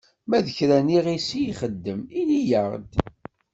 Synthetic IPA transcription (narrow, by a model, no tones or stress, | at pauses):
mæðəçɾæniʁisijχəd̪ːəminijəʁd̪